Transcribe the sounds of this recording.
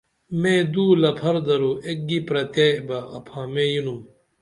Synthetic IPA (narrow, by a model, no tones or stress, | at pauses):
mẽd̪uːlɐpʰɐɾd̪ɐɾoʔek̚ɡipɾɐt̪ebɐːpʰãːmẽjunum